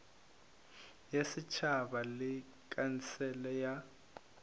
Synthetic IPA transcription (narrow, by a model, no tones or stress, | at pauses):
jesit͡ʃʰabalɪ | kʼant͡sʰʼɛlɛja